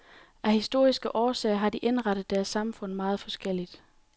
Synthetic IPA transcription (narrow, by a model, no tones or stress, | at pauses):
ʔæhisd̥o̝ɐ̰isɡ̥əʔɒːsɛ̰ːɐɦɑ̈d̥iʔe̝nʁɑɾ̥əð̩ˠd̥æɐsːɑ̈mfɔ̽n̰mɑ̈ːð̩ˠfɒ̽sɡ̥el̰id̥